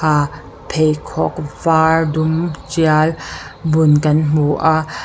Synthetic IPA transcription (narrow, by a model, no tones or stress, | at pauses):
a | pʰejkʰɔk̚vaːɹdumt͡ʃialbʊnkɐnm̥uʔa